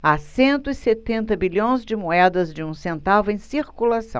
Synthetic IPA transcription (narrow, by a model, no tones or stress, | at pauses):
asẽnt̪ʊɪset̪ẽnt̪ɐbiʎõj̃zd͡ʒɪmuɛd̪ɐzd͡ʒɪũsẽnt̪avʊẽj̃siɾkulasɐ̰̃w̃